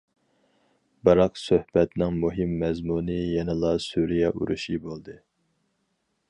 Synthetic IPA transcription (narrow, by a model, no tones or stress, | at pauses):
bɨɾɑqsøhb̥ɛt̪nɪŋmuɦɨmːɛzmunɨjɛnɨlˠɑsuɾijɛʔṵɾṵʃibolˠd̪ɨ